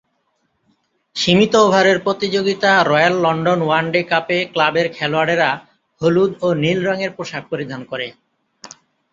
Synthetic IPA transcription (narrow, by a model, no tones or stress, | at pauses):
ʃimit̪oobʱaɾeɾpɾot̪id͡ʑoɡit̪aɾɔjalːɔɳɖonwanɖekapeklabeɾkʰɛloaɽeɾa | holud̪onilɾɔŋeɾpɾoʃab̚poɾid̪ʱankoɾe